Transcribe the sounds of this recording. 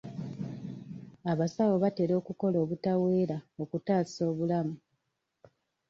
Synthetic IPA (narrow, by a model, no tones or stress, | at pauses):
aβasawo̞βate̞ɾo̞ːkuko̞lo̞ːβutawe̞ːɾao̞kutaːso̞ːβulamu